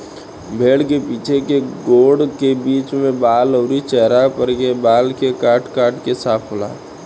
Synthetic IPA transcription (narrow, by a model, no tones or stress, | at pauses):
bʱeɽkepiːt͡ʃʰekeɡoɽkebiːt͡ʃmẽbaːləʊɾit͡ʃɛɦɾapəɾkebalkekaʈkaːʈkesaːpʰola̰